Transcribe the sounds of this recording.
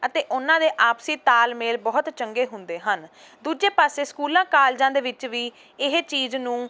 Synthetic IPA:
ət̪eːʔʊnãːd̪eːʔaːpsiːt̪aːlmeːlbɔːt̪t͡ʃəŋɡeːɦʊnd̪eːɦən | d̪uːd͡ʒeːpaːseːskuːlãːkaːld͡ʒãːd̪eːʋɪt͡ʃʋiː | ɪɦt͡ʃiːznũː

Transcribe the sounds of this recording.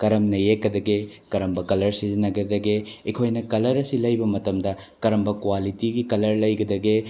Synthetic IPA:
kɐɾɐmnɐjekːɐd̪ɐɡekɐɾɐmbɐkɐlɐɾsizinɐɡɐd̪ɐɡeikʰojnɐkɐlɐɾɐsilɐjbɐmɐtɐmdɐkɐɾɐmbɐkwalitiɡikɐlɐɾlɐjɡɐd̪ɐɡe

